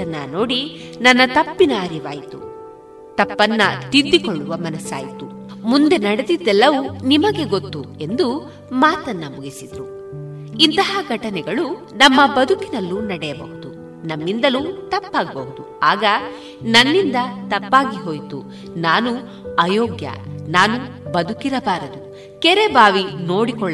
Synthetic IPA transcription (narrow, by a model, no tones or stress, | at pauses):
ɐnːɐno̞ːɽinɐnːɐt̪ɐpːinɐɐɾiʋa̰ːjit̪ṵ | t̪ɐpːɐnːɐt̪id̪ːikɔɭːuʋɐmɐnɐsa̰ːjit̪u | mund̪e̞nɐɽed̪id̪ɛlːɐʋunimɐɡe̞ɡot̪ːue̞nd̪u | maːt̪ɐnːɐmuɡisid̪ɾu | int̪ɐɦɐɡʱɐʈɐnɛɡɐɭu | nɐmːɐbɐd̪ʱukinɐlːunɐɽɛjɐbɐ̰ɦud̪u | nɐmːind̪ɐlut̪ɐpːaːɡɐbɐɦud̪u | aːɡɐ | nɐnːind̪ɐt̪ɐpːaːɡiɦo̞ːjt̪u | naːnu | ɐjoːɡjɐ̰naːnubɐd̪ukiɾɐbaːɾɐd̪u | kɛɾebʱaːʋino̞ːɽikɔɭ